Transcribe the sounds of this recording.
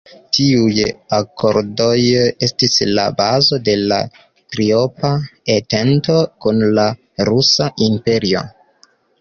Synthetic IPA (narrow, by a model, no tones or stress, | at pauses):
tiujako̞ɾdo̞je̞stisla̰bazo̞de̞la̰ | tɾio̞paete̞nto̞kunla | ɾusaʔimpe̞ɾio̞̰